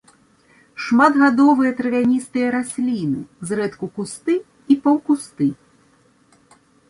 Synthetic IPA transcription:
ʂmad̪ɣad̪ɔvɨjɐt̪ɾɐvʲanʲist̪ɨjɐɾasʲlʲinɨzrɛt̪kukust̪ɨ | ipawkust̪ɨ

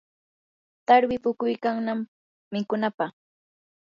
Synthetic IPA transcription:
t̪aɾwɪpʊkʊjkaŋnamː | ɪkʊnapaχ

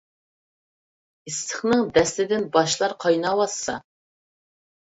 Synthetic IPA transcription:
ist̪ʰɨχnɨŋd̪ɛslɪd̪ɪnbɑʃlˠɑɾqʰɑjnɑwɑsːɑ

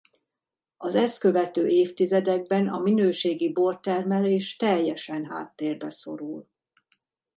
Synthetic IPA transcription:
ɒzɛst̪kø̞vɛt̪øːʔeːft̪izɛd̪ɛɡ̚bɛnɒminøːʃeːɡibort̪ɛrmɛleːʃt̪ɛjːɛʃɛnɦa̰ːt̪ːeːrbɛso̞ɾul

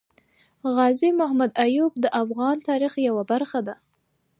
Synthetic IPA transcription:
ɣɑzimʊhamad̪ajub̚d̪əʔafɣɑnt̪ɑɾixjawabaɾxad̪a

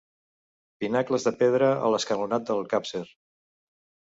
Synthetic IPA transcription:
pinakləzðəpeðɾəə̰ləskəlunat̪̚d̪əlˠkapseɾ

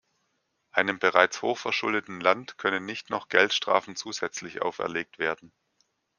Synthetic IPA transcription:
ʔaɪnəmbəʁaɪt͡shoːxfɛɐʃʊldətn̩lantkʰœnənːɪçtnɔχɡ̥ɛltʃtʁ̥a̰ːfn̩t͡suːzɛt͡slɪçʔa̰ʊfɛ̰ɐleːk̚tv̥eːɐdn̩

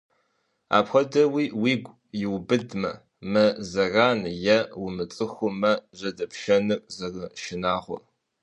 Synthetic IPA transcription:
a̰ːpxʷɐdɐwiːwiːɡʷʼ | jɪwbɨdmɐ | mɐzɐraːnjɐwʊmɨt͡sʼɨxʷʊmɐʑɐdɐpʰʃɐnɨrzɐrɨʃɪnaːʁʷɔ̰

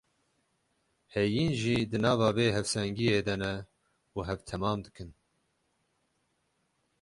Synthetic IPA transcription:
hɛjiːnʒiːd̪ɨnɑːvɑːveːɦɛvsɛŋɡiːjeːd̪ɛnɛ | uɦɛvt̪ʰɛmɑːmd̪ɨkɨn

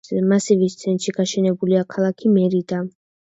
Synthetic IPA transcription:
ɛmasivist̪sʰɛnt̪ʃiɡ̥aʃɛnɛbuliakʰalˠakʰimɛɾid̪a

